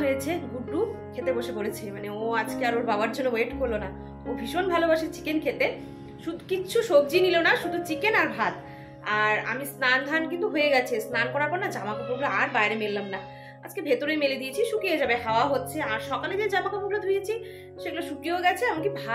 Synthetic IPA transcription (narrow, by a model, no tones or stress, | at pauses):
ɦojet͡ɕʰeɡuɖɾukʰet̪eboʃepoɾet͡ɕʰemaneoad͡ʑkeaɾoɾbabaɾd͡ʑonːoweʈkoɾlona | obʱiʃonbʱalobaʃeɾt͡ɕi̥kenkʰet̪e | ʃud̪ʱukit͡ɕʰuʃok̚d͡ʑinilonaʃud̪ʱut͡ɕikenaɾbʱat̪ | aɾa̰misnand̪ʱankint̪uɦoeɡɛt͡ɕʰesnankɔɾaɾpɔɾnad͡ʑamakebuɡloaɾbaeɾemelːamna | ad͡ʑkebʱet̪oɾemeled̪iet͡ɕʰiʃukijed͡ʑabeɦaoaɦotːɕʰeaɾʃɔkaled̪ed͡ʑamakebuɡlod̪ʱujet͡ɕʰi | ʃeɡuleʃukioɡɛt͡ɕʰeamakibʱa